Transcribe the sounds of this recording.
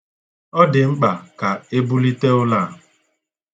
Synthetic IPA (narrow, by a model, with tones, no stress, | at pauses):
ɔ˦dɪ˨ŋ͡m̩˦k͡pa˨ka˨e˦bu˦li˦te˦ʊ˦la˦˨